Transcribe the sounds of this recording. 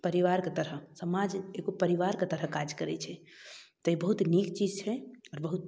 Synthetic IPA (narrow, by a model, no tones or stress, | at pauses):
pəɾiʋaɾket̪əɾəsəmad͡ʒeɡopəɾiʋaɾket̪əɾəkad͡ʒkəɾɛt͡ʃʰɛt̪ɔibəɦut̪nikt͡ʃid͡ʒt͡ʃʰɛɔːɾbəɦut̪